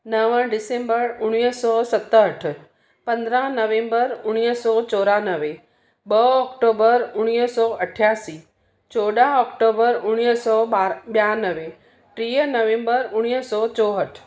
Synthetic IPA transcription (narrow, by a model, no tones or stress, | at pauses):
nəʋə̃ɖɪsẽmbəɾʊɽ̃jsɔsət̪ːəʈʰ | pə̃nd̪ɾãnəʋẽmbəɾʊɽ̃ijəsɔt͡ʃɔɾanəʋe | bəɔkʈobəɾʊɽ̃ijəsɔəʈʰːjasi | t͡ʃoɖaɔkʈobəɾʊɽ̃jəsɔbabjanəʋe | ʈɾijənəʋẽmbəɾʊɽ̃ijəsɔt͡ʃɔɦəʈʰ